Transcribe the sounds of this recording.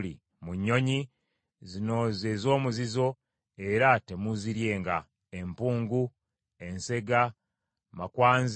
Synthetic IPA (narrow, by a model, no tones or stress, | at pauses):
lḭ | muɲːo̞ɲi | zino̞ːzeːzo̞ːmuzizo̞ | e̞ɾate̞muziɾje̞ːŋɡa | empuːŋɡu | e̞nse̞ɡa | makwaːnz